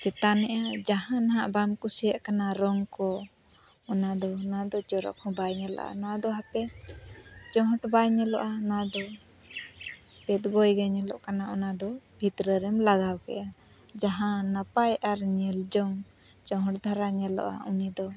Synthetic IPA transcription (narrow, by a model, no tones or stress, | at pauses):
t͡ʃɛt̪anɛʔad͡ʒaɦãnaɦaʔbamkusijaʔkanaɾɔŋkɔ | ɔnad̪ɔnad̪ɔt͡ʃɔɾɔ̰k̚hɔ̃bajɲɛlɔ̰ʔa̰nad̪ɔɦapɛ | t͡ʃɔ̃ɦɔʈbajɲɛlɔ̰ʔanad̪ɔ | pɛt̪̚ɡɔjɡaɲɛlɔʔkanaɔnad̪ɔbʱit̪ɾəɾɛmlaɡawkɛ̰ʔa | d͡ʒaɦãnapajaɾɲɛld͡ʒɔŋ | t͡ʃɔ̃ɦɔʈd̪ʱaɾaɲɛlɔ̰ʔa̰unid̪ɔ